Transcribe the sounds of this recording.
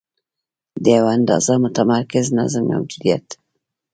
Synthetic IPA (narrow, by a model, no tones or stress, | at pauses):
d̪əjawaand̪ɑ̰zamʊt̪amɑɾkɪzna̰zəmma̰wd̪ud̪ija̰t̪